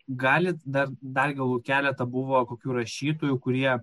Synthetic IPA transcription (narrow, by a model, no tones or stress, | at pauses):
ɡɑːlʲɪtd̪ɐrd̪ɐrɡʲɐlˠuːkʲæːlʲɛt̪ɐbʊʋoːkoːkʲuːɾɐʃʲiːt̪oːjukʊɾʲiɛ